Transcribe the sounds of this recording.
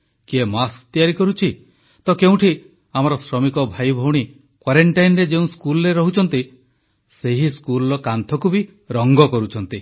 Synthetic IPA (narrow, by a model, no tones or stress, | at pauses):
kiemast̪ijaɾikɔɾut͡ʃʰi | t̪ɔkeũʈʰi | amɔɾɔsɾɔmikɔbʱajbʱɔwɽ̃i | kwaɾeɳʈajnɾed͡ʒeũskulɔɾeɾɔɦut͡ʃʰɔnt̪i | seɦiskulɾɔkant̪ʰɔkubi | ɾɔŋɡɔkɔɾut͡ʃʰɔnt̪i